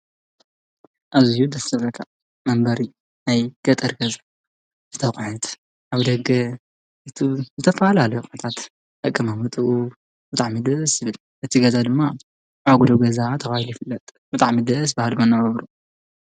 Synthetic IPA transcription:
ʔazijud̪ɐsɐβɐk̪ʰa | mɐmbɐɾi | najɡ̥ɐt̪ʼɨɾɡɐza | z̥ɨt̪ʰɐχʼħɨt̪ | ʔaβd̪ɐɡɐ | ɨt̪ʰuzɨt̪ʰɐfɐalalɐjukʼunɐt̪ʰat̪ | ʔɐkʼːɐmamɨt̪ʼɨʔu | bɨt̪ʼaʕmid̪ɐsɨβɨl | ʔɨt̪ʰiɡɐzad̪ɨmːa | ʕaɡud̪oɡɐzat̪ʰɐbahiljɪfɨlːɐt̪ʼ | b̥ɨt̪ʼaʕmid̪ɐs̬bɨhad̪manːɐβɐβɾu

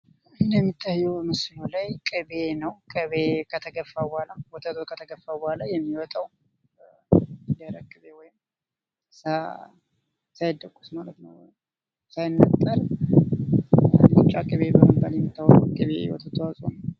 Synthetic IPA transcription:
ɨnd̪əmːit̪ʰːajːɛwmɨslulajkʼɨbe̞nəwkʼɨβekʰət̪ʰəɡəfːabhalawɔt̪ʰət̪ʰʼokʰət̪ʰəɡəfːabhalajɛmːiwɔt̪ʼaw | d̪əɾəkʼːɨβewɔjɪm | sa | sajd̪əkʼːu̥smalət̪nəw | sajnːət̪ʼːəl | lɨt͡ʃʼːakʼɨβe̞bəməbaljɛmːit̪ʰːawukʼɨβḛwɔ̰t̪ʰət̪ʰəwasʼonəw

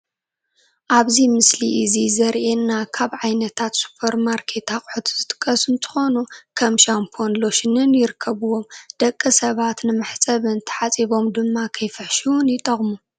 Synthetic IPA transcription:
ʔaβzimɨsliʔɨzizɐɾʔenːakʰaβʕajnɐt̪ʰat̪su̥pʰɐɾmaɾkʰe̞t̪ʰaχʼħut̪ʰzɨt̪ʼɨkʼːɐsɨnt̪ʰɨ̥xo̞nukʰɐmʃampʰo̞nlo̞ʃɪnɨnjɪɾɨkʰːɐβɨwo̞md̪̥ɐkʼːɐsɐβat̪nɨmaħt͡sʼɐβɨnt̪ʰɐ̥ħat͡sʼiβo̞md̪ɨmːakʰɐjfɨħʃiwʊnjɪt̪ʼɐχʼmu

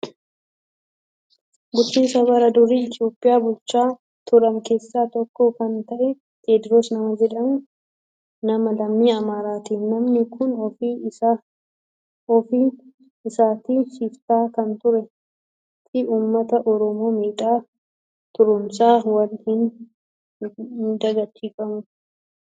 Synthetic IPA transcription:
ɡʊt͡ʃːiːsɐβɐɾɐd̪ʊɾiːɪt̪ɪo̞ːpʼːɪjaːbʊlt͡ʃaː | t̪ʰʊɾɐŋke̞ːsːaːt̪ɔkːoːkɐnt̪ɐʔɛ | t̪ʰeːd̪ɾoːsnɐmɐd͡ʒɛᶑɐn | nɐmɐlɐmːiːɐmaːɾaːt̪iːnɐmnɪkʰʊnɔfi | ɔfiː | ɪsaːt̪iːsift̪aːkɐnt̪ʊɾɛ | t̪ɪʔuːmːɐt̪ɐʔɔɾɔmo̞ːmiːᶑʼaː | t̪ʊɾʊmsaːwɐlhɪn | d̪ɐɡɐt͡ʃːiːfɐmʊ

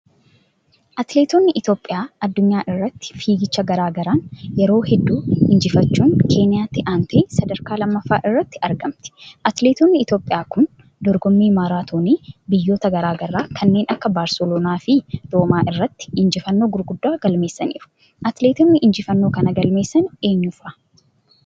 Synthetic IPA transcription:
ʔɐt̪le̞ːt̪onːɪʔɪt̪o̞ːpʼːɪjaːɐd̪ːʊɲːaːʔɪrːɐt̪ːɪ̥fiːɡɪt͡ʃːɐɡɐɾaːɡɐɾaːnjɛɾo̞ːhɛd̪ːuːɪnd͡ʒɪfɐt͡ʃːuːŋkʰe̞ːnɪjaːt̪ːɪʔaːnt̪ʰeːsɐd̪ɐɾkaːlɐmːɐfːaːʔɪrːɐt̪ːɪʔɐɾɡɐmt̪ɪ̥ʔɐt̪leːt̪oːnːɪɪt̪o̞ːpʼɪjaːkʊn | d̪ɔɾɡɔmːiːmaːɾaːt̪ʰoːniːbɪjːo̞ːt̪ɐɡɐɾaːɡɐrːaːkʰɐnːe̞ːnɐkːɐbaːɾsɛloːnaːfɪd̪̥oːmaːʔɪrːɐt̪ːɪ̥ɪnd͡ʒɪfɐnːo̞ːɡʊɾɡʊd̪ːaːɡ̥ɐlme̞ːsːɐniːɾʊ̥ | ʔɐt̪le̞ːt̪uːnːɪʔɪnd͡ʒɪfɐnːo̞ːkɐnɐɡɐlme̞ːsːɐne̞ːɲːʊfɐ

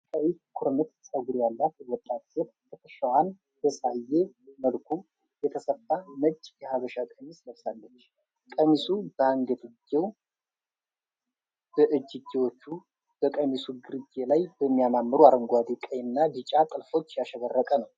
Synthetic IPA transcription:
kʼəwiskʰuɾnɨt̪sʼəɡuɾijalːat̪wɔt̪ʼːat̪ʼət | kʰət̪ʰəʃawan | d̪əsʼajːeməlkʰu | jɛt̪ʰəsəfːamət͡ʃʼːjɛhaβəʃakʼəmisləβsalːət͡ʃː | kʼəmisubəaŋɡəd̪ɨd͡ʒew | b̥əʔɨd͡ʒːɪd͡ʒːewo̞t͡ʃːu | b̥əkʼəmisuɡɨɾɨd͡ʒelajbəmːijamamːɨɾuaɾəŋɡʷad̪ikʼəjɨnːad̪ɨt͡ʃʼat̪ʼɨlfo̞t͡ʃːjaʃəβərːəkʼənəw

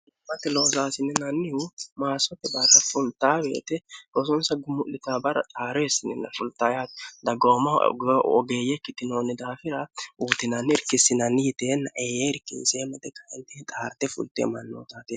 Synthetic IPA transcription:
mːɐt̪ːɛloːzaːsɪnːɛnɐnːɪhʊmaːsɔt̪ːɛbɐrːɐfʊlt̪aːbe̞̰ːt̪ɛɡɔsɔnsɐɡʊmʊʔlɪt̪aːbɐɾɐ̰t̪ʼaːɾɛɛsːɪnɛ̰nːɐ̰fʊlt̪aːjat̪d̪ɐɡoːmɐɡɔ̰ɡe̞ːjɛkːɪt̪ːɪnoːnːɪd̪aːfɪɾɐuːt̪ɪnɐnːɪɪɾkːɪsːɪnɐnːɪjɪt̪eːnːɐʔeːjeɪɾkḭnseːmɐt̪ɛkɐjɛ̰nt̪iːt̪ʼaːɾt̪ɛfʊ̰lt̪ːḛːmɐnːo̰ːt̪aːt̪ɪ

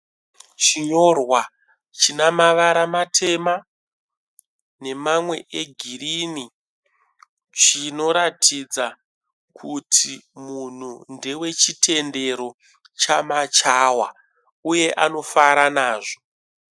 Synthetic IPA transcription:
t͡ʃiɲo̞rwa | t͡ʃinamaʋaɾamatʰe̞ma | ne̞mamwe̞ʔeɡʱirini | t͡ʃino̞ɾatʰid͡za | kʰutʰimun̤undewe̞t͡ʃitʰe̞nde̞ɾo̞ | t͡ʃamat͡ʃawa̰ | uje̞ʔano̞faɾanaːʐo

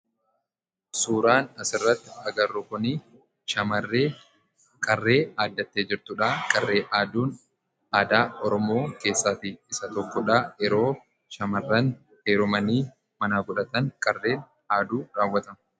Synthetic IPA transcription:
suːɾaːnɐsɪrːɐt̪ːɪ̥ɐɡɐrːʊkʊniː | ʃɐmɐrːeː | kʼɐrːe̞ːaːd̪ːɐt̪ːe̞ːd͡ʒɪɾt̪ʊᶑaːkʼɐrːe̞ːʔaːd̪uːn | aːd̪aːɔɾɔmo̞ːke̞ːsːaːt̪ɪɪsɐt̪ɔkːɔᶑaːjɛɾo̞ː | ʃɐmɐrːɐn | heːɾʊmɐniː | mɐnaːɡʊᶑɐt̪ɐnkʼɐrːe̞ːn | aːd̪uːɾaːwːɐt̪ɐmɐ

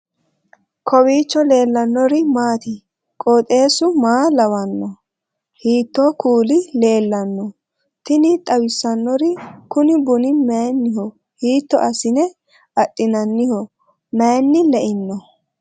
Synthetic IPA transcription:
kʰɔwiːt͡ʃːɔle̞ːlːɐnːɔɾɪmaːt̪ɪ | kʼɔːt̪ʼe̞ːsʊmaːlɐwɐnːɔ | hiːt̪ːoːkuːlɪle̞ːlːɐnːɔ | t̪ɪnɪt̪ʼɐwɪsːɐnːɔɾɪkʊnɪbʊnɪmeːnːɪhɔ | hiːt̪ːɔ̰ʔɐsɪnɛ | ɐɗʼːɪnɐnːɪhɔ | meːnːɪlɛʔɪnːɔ

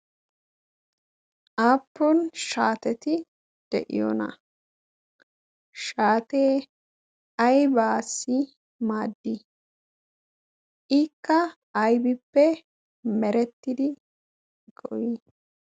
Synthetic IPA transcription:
ʔaːpːɔnʃaːt̪ɛt̪ɪ | d̪̥ɛ̰ʔɪ̰jɔ̰nɐ̰ | ʃaːt̪eː | ɐjbaːsːɪ | maːd̪ːɪ | ʔɪkːɐː | jbɪpːɛ | mɛɾɛt̪ːɪd̪ɪ | ɡɔwi

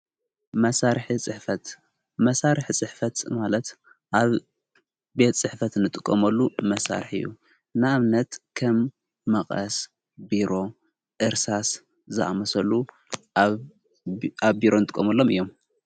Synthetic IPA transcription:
mɐsaɾħit͡sʼɨħfɐt̪ | mɐsaɾɨħt͡sʼɨħfɐt̪malɐt̪ | ʔaβ | be̞t̪t͡sʼɨħfɐt̪nɨt̪ʼɨkʼːɐmɐlːumɐsa̰ɾħɨ̰jːṵ | nɨaβnɐt̪kʰɐmː | ɐχʼɐ̰s | biɾo̞ | ʔɨɾsas | zɨʔa̰mɐsɐlu | ʔaβbiɾo̞nɨt̪ʼɨkʼːɐmɐlːo̞mɨjːo̞m

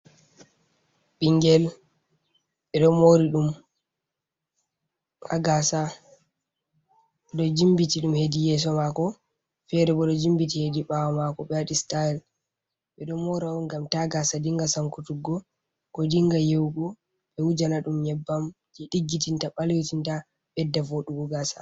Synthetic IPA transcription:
ɓiŋɡɛl | ɓɛɗɔmoɾiɗum | ha̰ɡasa | ɗɔd͡ʒimbitiɗumhedijɛs̬ɔmakɔ | fɛɾɛɓɔɗɔd͡ʒimbitihediɓawɔmakɔɓɛaɗistaɛl | ɛɗɔmoɾaunɡamtaɡasadiŋɡasaŋkutuɡːɔ | kɔdiŋɡajewɡɔ | ɓɛwud͡ʒanaɗumjɛbːamd͡ʒɛɗiɡːitintaɓalewtinta | ɓɛdːavoɗuɡuɡasa̰

